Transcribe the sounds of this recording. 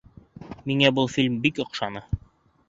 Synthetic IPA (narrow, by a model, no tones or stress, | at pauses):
miŋæbɤlˠfilʲmbikŏqʃɑnɤ